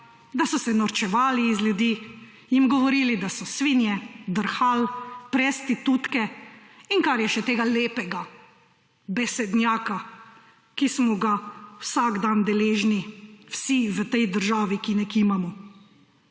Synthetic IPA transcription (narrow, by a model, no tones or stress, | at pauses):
d̪asɔsɛnɔɾt͡ʃɛʋaːliːzljud̪iː | jimɡɔʋɔɾiːlid̪asɔsʋinjɛd̪əɾxalpɾɛst̪it̪ut̪kɛ | iŋkaɾjɛʃɛt̪eːɡaleːpɛɡa | bɛsɛd̪njaːka | kismɔɡawsaɡd̪and̪ɛleːʒniwsiʋət̪ɛjd̪əɾʒaːʋikinɛkiːmamɔ